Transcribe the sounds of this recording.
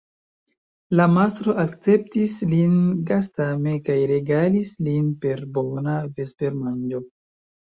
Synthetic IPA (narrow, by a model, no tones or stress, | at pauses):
lamastɾo̞ʔakt͡se̞p̚tislinɡastame̞kajɾe̞ɡalislinpe̞ɾbo̞nave̞spe̞ɾmand͡ʒo̞